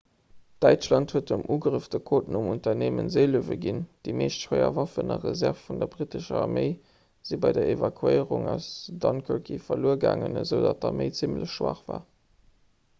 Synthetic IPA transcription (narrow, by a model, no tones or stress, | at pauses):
d̥æɪt͡ʃlɑnthuətəmʔuːɡʁəfd̥əkʰoːtn̩umuntɐneːmənzeɪluəvəɡind̥imeːʃthəɪɐ̰vɑfənɐʁəzæʁffundɐbʁitəʃəɑʁmeɪ | z̥ibɑɪdɐevɑkʰuəɪʁuŋaʊsdɑnkʰəkʰifɐluːəɡa̰ːŋənəzəʊdɑt̚dɑməɪt͡simləɕʃwa̰ːχvaː